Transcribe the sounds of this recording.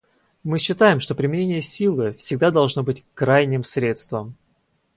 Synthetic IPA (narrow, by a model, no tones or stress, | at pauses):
mɨɕːɪt̪ajɪmʂt̪opɾʲɪmʲɪnʲenʲɪjəsʲilˠɨfsʲɪɡ̚d̪ad̪ɐlˠʐno̞bɨtʲkɾajnʲɪmsɾʲe̞t̪st̪vəm